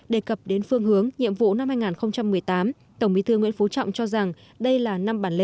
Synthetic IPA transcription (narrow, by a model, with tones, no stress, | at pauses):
ɗe˨˩kə˨˩p̚ɗe˨˦nfɨ˧əŋɦɨ˨˦əŋɲḭ˧˨əmvṵ˧˨na˧mhaː˧jŋaː˨˩nxə˧wŋ͡mt͡ɕa˧mːɨ˨˩əjt̪aː˨˦m | t̪ə˧˩wŋ͡mɓi˨˦t̪ʰɨ˧ŋwḭ˧˥ənfo˨˦t͡ɕɔ̰˧˨wŋ͡mt͡ɕɔ˧za˨˩ŋ | ɗə˧jlaː˨˩na˧mɓaː˧˩nle˧